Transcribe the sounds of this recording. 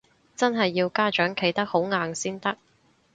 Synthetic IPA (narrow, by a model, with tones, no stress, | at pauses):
t͡sɐ˥nɦɐ˨jːiː˧wkaː˥t͡ʃœː˨˥ŋkʰe˨˥jt̪ɐ˥k̚ho˨˥wŋaː˨ŋsiː˥nt̪ɐ˥k̚